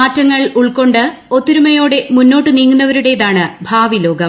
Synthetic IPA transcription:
aːtːɐŋːɐɭuɭko̞ɳɖɨ | o̞t̪ːiɾumɐjo̞ːɽe̞munːo̞ːʈːɨniːŋːunːɐʋɐɾuɽe̞jðaːɳɨbʱaːʋilo̞ːɡɐm

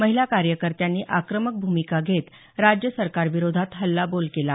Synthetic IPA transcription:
məɦilakaɾjəkəɾt̪janːiːʔakɾəmək̚bʱumikaɡʱet̪ | ɾad͡ʑjəsəɾkaɾʋiɾod̪ʱat̪ɦəlːabolkela

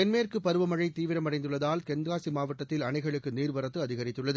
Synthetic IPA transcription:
ɛnmeːrkɯpːɐɾɯʋɐmɐɻɐɪt̪iːʋɪɾɐmɐɽɐɪnd̪ɯɭːɐðaːlkɛnɡaːsimaːʋɐʈːɐt̪ːɪlɐnɐɪɣɐɭɯkːɯniːrʋɐɾɐt̪ːɯɐðɪɣɐɾɪt̪ːɯɭːɐðɯ

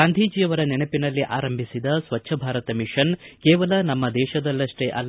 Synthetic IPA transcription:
aːnd̪ʱiːd͡ʒijɐʋɐɾɐnɛnɐpinɐlːiʔaːɾɐmbʱisid̪ɐsʋɐtːʃʰɐbʱaːɾɐt̪ɐmiʂɐnkɛːʋɐlɐnɐmːɐd̪ɛːʃɐd̪ɐlːɐʂʈeʔɐ̰lː

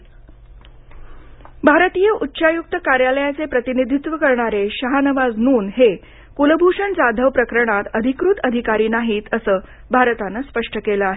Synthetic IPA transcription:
bʱaɾət̪ijəʔutːɕajuk̚t̪əkaɾjaləjat͡sepɾət̪inid̪ʱit̪ʋəkəɾɳaɾeɕəɦanəʋad͡znuːnɦe | kuləbʱuʂənd͡zad̪ʱəʋpɾəkɾəɳ̃at̪əd̪ʱikɾut̪əd̪ʱikaɾiːnaɦiːt̪əsəː | bʱaɾət̪anəspəʂʈəkeləaɦe

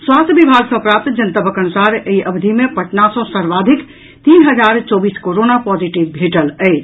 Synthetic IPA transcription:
swaːst̪ʰbibʱaːɡsɐ̃pɾãt̪d͡ʒənt̪abəkənusaːɾeiʔəbd̪ʱimẽpəʈnasɔ̃səɾʋaːd̪ʱik | t̪iːnɦəd͡ʒaːɾt͡ʃɔːbiːskoɾoːnapɔd͡ʒiʈibbʱeʈələet͡ʃ

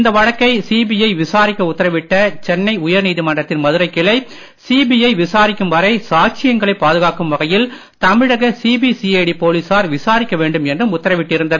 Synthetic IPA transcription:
ɪnd̪ɐʋɐɻɐkːɐɪsiːbijɐɪʋɪsaːɾɪkːɐʊt̪ːɐɾɐʋɪʈːɐt͡ʃɛnːɐɪʊjɐɾniːðɯmɐɳdrɐt̪ːɪnmɐðɯɾɐɪkːɪɭɐɪ | siːbiɐɪʋɪsaːɾɪkːɯmʋɐɾɐɪsaːt͡ʃɪjɐŋɡɐɭɐɪpːaːðɯɣaːkɯmʋɐɣɐjɪl | t̪ɐmɪɻɐɣɐsiːbisieːɽipoːliːsaːɾʋɪsaːɾɪkːɐʋeːɳɖɯmɛndrɯmʊt̪ːɐɾɐʋɪʈːɪɾɯnd̪ɐð

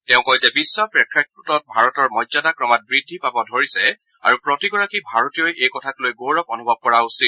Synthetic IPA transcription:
tɛ̃ʊ̃kɔjzɛbisːapɹɛkʰɹak̚putɔt̚bʱaɹɔtɔɹmɔjzadakɹɔmat̚bɹidʱːipabɔdʱoɹisɛ | a̰ɹupɹɔtiɡɔɹakibʱaɹɔtijojʔejkɔtʰaklojɡowɹɔpɔnubʱɔb̚kɔɹausit̚

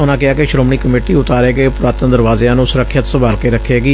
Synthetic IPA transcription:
ʊnãːkɪaːkɪʃɾoːmɳiːkəmeːʈiːʊt̪aːɾeːɡəeːpʊɾaːt̪ə̃nd̪əɾʋaːzeːãːnũːsʊɾəkʰːjət̪səbaːlkeːɾəkʰːeːɡiː

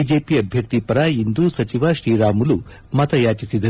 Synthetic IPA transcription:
id͡ʒeːpiɐbʱjɐkt̪ipɐɾɐind̪usɐt͡ʃiʋaʃɾiːɾaːmulu | mɐt̪ɐjaːt͡ʃisid̪ɐ

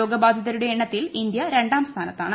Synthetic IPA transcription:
oːɡɐbaːd̪ʱjɐðɐɾuɽe̞ːɳːɐt̪ːilind̪jɐɾe̞ɳɖaːmst̪ʰaːnɐt̪ːa̰ːɳɨ

